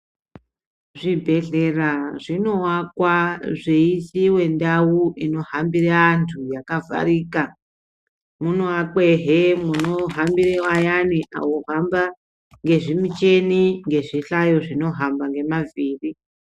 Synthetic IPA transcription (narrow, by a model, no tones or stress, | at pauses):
ʐibʱe̞ɮeraʐino̞wakwaʐeisiwe̞ndawuʔino̞ɦambiɾantʰujakavʱa̰ɾiːka | munoak͡pe̞ɦemuno̞ɦambiɾewajaniʔa̰woɦamba | ŋɡe̞ʐimit͡ʃe̞niŋɡe̞ʐiɬajo̞ʐino̞ɦambaŋɡe̞maviːri